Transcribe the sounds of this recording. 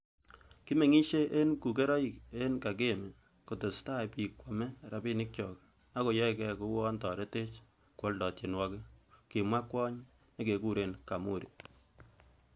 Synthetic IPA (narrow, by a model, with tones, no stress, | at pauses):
ki˦me˨ŋi˦ʃe˦ʔe˦nku˨k̬e˦ɾɔ˦i˨ke˦nka˨k̬e˦me˨ | ko˨tʊ˨sta˦pi˨kwɔ˨mɛ˦ɾa˨bi˦nɪ˦k̚t͡ʃɔ˨k | a˦ko˨jɔ˦i˦kɛ˦ku˦wɔ˦ntɔ˨ɾe˦te˦t͡ʃ | kwɔ˦ldɔ˨tje˨nwɔ˦kɪ˦ki˨mwa˦kwɔ˦ɲ | ne˦ke˨ku˦ɾe˨nka˨mu˦˨ɾi˨